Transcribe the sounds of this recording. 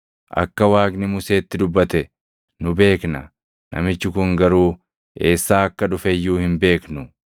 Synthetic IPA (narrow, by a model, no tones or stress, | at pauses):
ʔɐ̰kːɐwaːɡnɪmʊse̞ːt̪ːɪd̪ʊbːɐt̪ɛ | nʊbe̞ːknɐ | nʔɐ̰mɪt͡ʃːɪkʊŋɡɐɾuː | e̞ːsːaːɐkːɐᶑʊfɛjːuːhɪmbe̞ːknʊ